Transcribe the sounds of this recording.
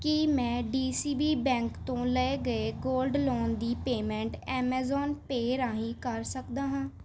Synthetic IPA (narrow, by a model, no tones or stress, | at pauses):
kɪmɛ̃ːɖiːsiːbiːbɛ̃ːŋkt̪õːləeːɡəeːɡoːlɖlɔːnd̪iːpeːmɛ̃ːɳʈɛːmɛːzɔːnpeːɾãːɦĩːkəɾsəkd̪aːɦãː